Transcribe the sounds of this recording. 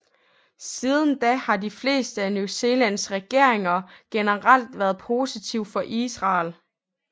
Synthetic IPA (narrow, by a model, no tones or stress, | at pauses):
siːð̞ˠən̩d̥æhɑ̈difle̝̰ːsd̥əænjuse̝ːlæn̰sʁɛɡ̥e̝ɐ̰e̝ŋɐɡ̥enəʁɑl̰d̥ʋæɐð̞ˠpʰo̝sit͡sʰiʊ̰fɒ̽ʔisʁɑ̈ːl